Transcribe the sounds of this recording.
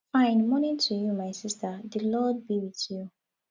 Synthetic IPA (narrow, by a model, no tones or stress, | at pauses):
fãɪ̃nmɔnĩŋtʰujumaɪsistʰəðəlɔd̚biwiθju